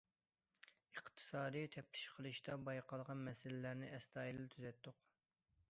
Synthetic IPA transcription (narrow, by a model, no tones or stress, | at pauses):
əqt̪ʰɨ̥sɑːd̪ɨjt̪ʰɛp̚t̪ʰɪ̥ʃqʰəlˠɨʃt̪ɑbɑjqʰɑlˠəʁɑnmɛsɪlɪlæɾnɪʔɛst̪ɑːjilɨt̪ʰyzɛt̪ːʊq